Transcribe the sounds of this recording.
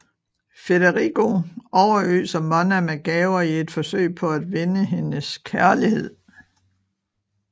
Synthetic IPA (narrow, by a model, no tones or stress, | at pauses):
fedɐʁiɡ̥o̝ɒʊɐø̰ːsɒmɒnæmæɡ̥ɛːʊɐie̝d̥fɒ̽sø̰ɪ̰pʰɒ̽æd̥ʋe̝nəɦe̝nəskʰæɐlihe̝ð̰ˠ